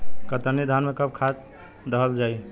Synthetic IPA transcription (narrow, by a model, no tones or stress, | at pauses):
kət̪ənid̪ʱanmekəb̚kʰat̪ | d̪əɦəld͡ʒaj